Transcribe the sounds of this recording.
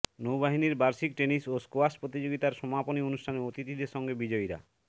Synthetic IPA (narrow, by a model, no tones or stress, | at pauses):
nowbaɦiniɾbaɾsik̚ʈenisoskoaspɾot̪̬id͡ʑoɡit̪aɾʃɔmaponionusʈʰaneot̪it̪id̪eʃɔŋɡebid͡ʒɔjɾa̰